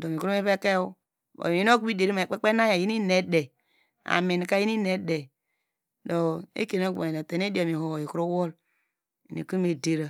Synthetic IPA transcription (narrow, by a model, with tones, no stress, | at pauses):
do˨mi˨ku˦ɾu˦me˦pe˦ke˦u˦ | bo̰˨mi˨i˦no˦ku˦i˦de˨ɾi˦ma˨k͡pe˦k͡pe˦na˦ja˨ji˦ni˦ne˦de˨ | a̰˨mi˨n˨ka˦ji˦ni˦ne˦de˨ | do˨ḛ˦ke˨no˦ka˨o˨te˨˦n˦e˦di˦a˨mi˨ho˨i˨kɾu˦wo˦l | i˨nḭ˨ku˦me˨de˦ɾa˨